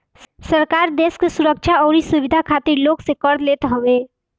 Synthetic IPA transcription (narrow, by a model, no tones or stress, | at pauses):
səɾkaːɾd̪eːskesʊɾək̚ʃʰaɔːɾisuwɪd̪ʱakʰaːt̪iɾloːɡsekəɾd̪leːt̪ɦəẽː